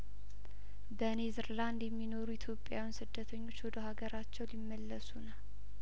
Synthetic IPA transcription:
bənezɾland̪jɛmːino̞ɾujit̪ʰjo̞pʼjawinsɨd̪ːət̪ʰəɲːo̞t͡ʃːwɔd̪əɦaɡəɾat͡ʃːɛwlimːəlːəsunəw

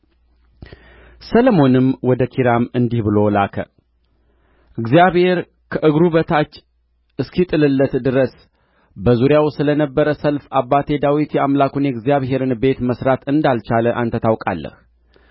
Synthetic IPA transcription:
sələmo̞nɨmwɔd̪əkʰiɾamɨnd̪ihbɨlo̞lakʰə̰ | ʔɨɡzijaβhe̞ɾ | kʰəʔɨɡɾuβət̪ʰat͡ʃː | ɨskʰit̪ʼɨlɨlːət̪d̪ɨɾəs | bəzuɾjawsɨlənəbːəɾəsəlfabːat̪ʰe̞d̪awit̪jɛamlakunjɛɡzijaβɦe̞ɾɨnbe̞t̪məsɾat̪ɨnd̪alt͡ʃaləʔa̰nt̪ʰət̪ʰawkʼa̰lːə̰h

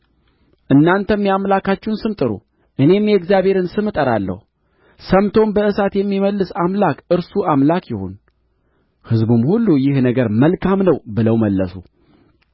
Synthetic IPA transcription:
ʔɨnːant̪ʰəmːijamlakat͡ʃːɪunsɨmt̪ʼɨɾṵ | ʔɨne̞mjɛɡzjaβhe̞ɾɨnsɨmɨt̪ʼəɾa̰lːə̰hu | səmt̪ʰo̞mbəɨsat̪jɛmːiməlːɨsamlakɨɾsuamlakjɪho̰n | hɨzbumhulːujɪhnəɡəɾməlkʰamnəwbɨləwməlːəsṵ

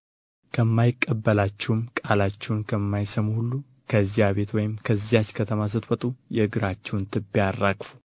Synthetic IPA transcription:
kʰəmːajɪkʼːəbːəlat͡ʃːɛwmkʼalat͡ʃːɛwnkʰəmːajsəmuhulːu | kʰəɨzijaβe̞t̪wɔjɪmkʰəzːijat͡ʃkʰət̪ʰəmas̬ɨt̪wɔt̪ʼujɛɨɡɨɾat͡ʃːɛwnt̪ʰɨbːiarːakʼfu̥

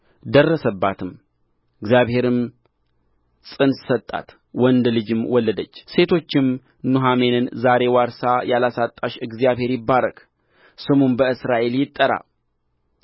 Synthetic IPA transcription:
d̪ərːəsəbːat̪ʰɨm | ɨɡzjaβhe̞ɾɨm | sʼɨnssət̪ʼːa̰t̪ | wɔnd̪lɨd͡ʒɪmwɔlːəd̪ət͡ʃːse̞t̪ʰo̞t͡ʃːɪm | nuɦame̞nɨnzaɾe̞waɾsajalasat̪ʼːaʃɨɡzijaβhe̞ɾjɪbːaɾəkʼ | sɨmonbəɨsɾaʔe̞ljɪt̪ʼːəɾa̰

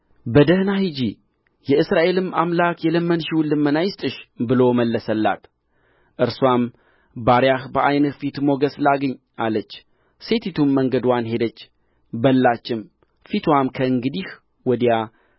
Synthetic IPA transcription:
bəd̪əhnahid͡ʒi | jɛɨsɾaʔe̞lɨmamlakjɛləmːənʃiwlɨmːənajɪst̪ʼɨʃbɨlo̞məlːəsəlːa̰t̪ | ʔɨɾswam | baɾjahbəʔajnət̪fit̪mo̞ɡəslaɡəɲː | ʔalət͡ʃː | se̞t̪ʰit̪ʰumːəŋɡəd̪wanhe̞d̪ət͡ʃː | bəlːat͡ʃːɪm | fit̪ʰwamkʰəɨŋɡɨd̪ih | wɔd̪ja

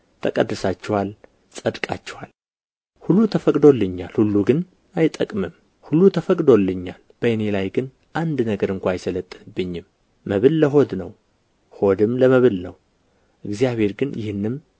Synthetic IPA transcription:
t̪ʰəkʼəd̪ːɨsat͡ʃːɛwal | sʼəd̪kʼa̰t͡ʃːɛwal | hulːut̪ʰəfəkʼd̪o̞lːɨɲːalhulːuɡɨn | ajt̪ʼəkʼmɨm | hulːut̪ʰəfəkʼd̪o̞lːɨɲːalb̥əjɨne̞lajɡɨn | ʔand̪nəɡəɾɨŋkʷʰaajsələt̪ʼːɨnɨbːɨɲːɪmː | əβɨlːəɦo̞d̪nə̰w | ho̞d̪ɨmləməβɨlnə̰w | ʔɨɡzijaβhe̞ɾɡɨnjɪhɨnːɨm

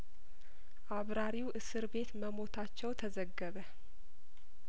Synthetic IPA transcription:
ʔaβɾaɾiwʔɨsɨɾβe̞t̪məmo̞t̪ʰat͡ʃːɛwt̪ʰəzəɡːəβə

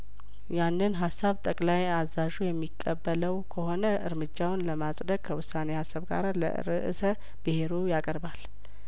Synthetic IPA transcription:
janːɨnɦasːaβt̪ʼəkʼlajazaʒujɛmːikʼːəbːələwkʰəho̞nəʔɨɾmɨd͡ʒːawnləmasʼd̪əɡ̥̚kʰəwʊsːane̞hasːaβɡa̰ɾalə̰ɨ̰ɾɨʔɨ̰sə | b̥ɨhe̞ɾojakʼəɾbal

